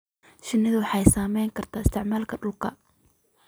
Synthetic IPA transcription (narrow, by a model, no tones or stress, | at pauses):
ʃɪnɪðʊwɑħɑjsaːmɛjŋkʰɐrt̪ʰaːɪst̪ʰɪʕmaːlkʰɐɖʊlkʰɐ̰